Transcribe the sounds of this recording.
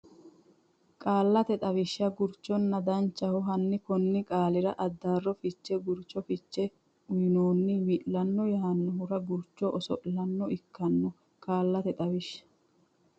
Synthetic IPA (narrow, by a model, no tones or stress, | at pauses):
kʼaːlːɐt̪ɛt̪ʼɐβɪʃːɐɡʊɾt͡ʃːɔnːɐd̪ɐnt͡ʃːɐhʊɦɐnːɪkɔnːɪkʼaːlɪɾɐʔɐd̪ːaːrːɔfɪt͡ʃːɛɡʊɾt͡ʃːɔfɪt͡ʃːɛ | ʊjɪnoːnːɪwɪʔlɐnːɔjaɐnːɔɦʊɾɐɡʊɾt͡ʃːɔʔɔsɔ̰ʔlɐnːɔɪkːɐnːɔ | kʼaːlːɐt̪ɛt̪ʼɐwɪʃːɐ̥